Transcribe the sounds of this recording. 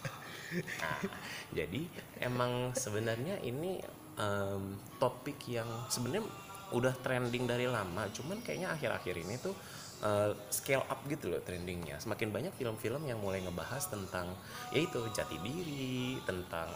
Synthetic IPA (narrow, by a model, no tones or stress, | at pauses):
a̰d͡ʒa̰diḛmaŋsəbənərɲaʔḭni | ʔəmt̪opɪkjaŋsəbənərɲa | ʔudaht̪ɾɛndɪŋdaɾilamat͡ʃumankaja̰ɲaːxɪɾa̰xɪɾinit̪u | ʔəskela̰p̚ɡit̪ulɔ̰t̪ɾɛndɪŋɲa̰səmakɪnbaɲak̚filəmfiləmjaŋmulajŋəbaɦast̪ənt̪aŋ | jʔait̪ud͡ʒat̪idiɾiit̪ənt̪a̰ŋ